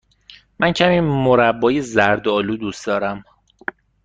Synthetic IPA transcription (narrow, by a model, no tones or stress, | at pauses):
mæncʰæmiːmoɾæbːɒːjezæɾd̪ɒːluːd̪uːsd̪̥ɒːɾæm